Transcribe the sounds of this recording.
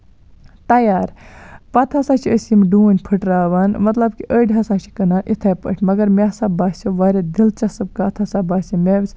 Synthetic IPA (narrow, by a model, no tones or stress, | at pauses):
t̪ɐjaːɾpɐt̪ʰɐsat͡ʃʰiəsimɖuːnʲpʰɨʈɾaːʋanmɐt̪lɐbkiʔəːɖʲɦɐsat͡ʃʰi̥kɐnaːnʔit̪ʰɐpə̰ʈʰʲmɐɡɐɾmʲesabaːsʲoʋaːɾʲed̪ilt͡ʃɐsɨb̚kat̪ʰɐsabaːsʲimʲeʋsʲ